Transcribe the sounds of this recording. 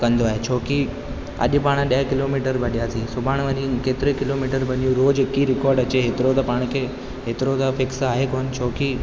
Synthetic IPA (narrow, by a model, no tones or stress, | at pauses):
kɐ̃nd̪oaːɦet͡ɕʰoːki | ɐ̰ʄpaːɽ̃ɗɐekɪlomiːʈəɾbʱɐɗijat̪ʰisʊbʱaːɽ̃ʋənĩkeːt̪ɪɾekɪloːmiːʈəɾbɐnijũɾoːd͡ʑkiɾɪkɔːɾɖɐt͡ɕeɦet̪ɪɾot̪ɐpaːɽ̃kʰe | ɦeːt̪ɪɾot̪afɪksaːɦekoɦənt͡ɕʰoːki